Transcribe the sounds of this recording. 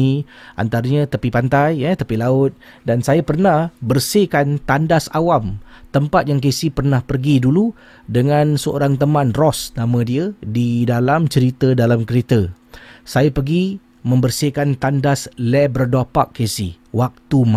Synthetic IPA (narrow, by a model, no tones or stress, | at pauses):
iʔa̰nt̪aɾəɲat̪əpipant̪ajət̪əpilaʊt̪̚dansajapərnahbərsikant̪andasawamt̪əmpat̪̚jaŋk̬esipərnahpərɡidulu | dəŋãnsəo̰ɾaŋt̪əmãnrɔsnãmə̃diədidalamt͡ʃəɾit̪ədalamkəɾet̪ə | sajapərɡi | mə̃mbərsikant̪andaslɛbərdɔpa̰kːesi | wak̚t̪uma